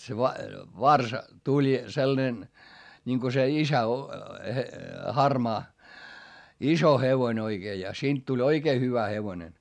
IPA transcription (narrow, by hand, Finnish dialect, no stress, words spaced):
se ʋɑ ʋɑrsɑ tulʲ selːɑ̆nen nʲiŋko se isæ o he hɑrmɑː iso heʋoĭn oiɡ̊eː jɑ siːnt tulʲ oikeː hyʋæ heʋonen